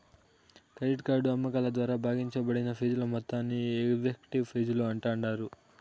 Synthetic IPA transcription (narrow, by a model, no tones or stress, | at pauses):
kɐjʈkaːɾɖuɐmːɐkɐlɐd̪ʋaːɾaːbʱaːɡiɲt͡ʃɐbɐɽinɐpʰiːd͡ʒulɐmɔt̪ːaːnːieɡʋekʈiʋpʰiːd͡ʒuluɐɳʈaːɳɖaːɾu